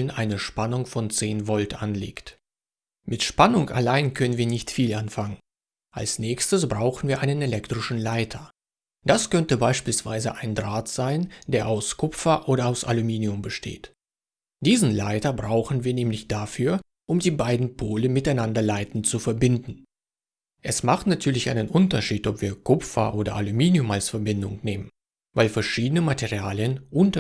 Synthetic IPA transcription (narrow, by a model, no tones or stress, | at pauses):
lənʔaɪnəʃpanʊŋfɔnt͡seːnvɔltʔa̰nlḛːkt | mɪtʃpanʊŋa̰laɪnkʰœnənviːɐnɪçtfiːlʔanfaŋən | ʔa̰lsnɛːçstəsb̥ʁaʊxn̩viːɐʔaɪnənɛlɛktʁ̥ɪʃn̩laɪtʰɐ | d̥askœntəbaɪʃpiːlsv̥a̰ɪzə̰ʔaɪndʁaːtz̥aɪnd̥eːɐʔaʊskʰʊpfɐʔoːɾɐaʊsʔa̰lumiːniʊmbəʃtʰḛːt | d̥iːzn̩laɪtɐbʁaʊxn̩viːɐnɛːmlɪçd̥afyːɐ | ʔʊmdiːbaɪdn̩pʰoːləmɪtaɪnandɐlaɪtn̩tt͡sufɛɐbɪndn̩ | ʔɛsmaχtnatʰyːɐlɪçʔa̰ɪnənʔʊntɐʃiːtɔpv̥iːɐkʰʊpfɐ̰ʔoːdɐ̰ʔalumiːniʊmalsfɛɐbɪndʊ̰ŋneːmən | vaɪlfɛɐʃiːdənəmatʰeʁiaːljənʔʊntɐ